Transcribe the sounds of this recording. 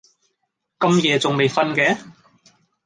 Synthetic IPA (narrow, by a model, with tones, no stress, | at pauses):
kɐ˧mjɛː˨˧t͡sʊ˨ŋme˨jfɐ˥nkɛː˨˧